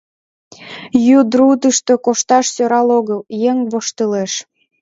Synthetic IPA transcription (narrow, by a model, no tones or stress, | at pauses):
jud̪ɾud̪əʃt̪okoʃt̪ɑʃsøɾɑloɣəljeŋβoʃt̪əleʃ